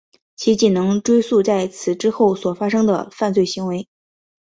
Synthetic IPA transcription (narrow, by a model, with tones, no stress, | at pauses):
t͡ɕʰi˧˥t͡ɕi˨˩nɤ˧˥ŋʈ͡ʂwe˥ɪsu˥˧t͡sa˥˩ɪt͡sʰɹ̩˨˩ʈ͡ʂɻ̩˥xo˥˩ʊswɔ˨˩fa˥ʂɤ˥ŋd̪ə̰˨fa˥˧nt͡swe˥˩ɪɕi˧˥ŋwe˧˥ɪ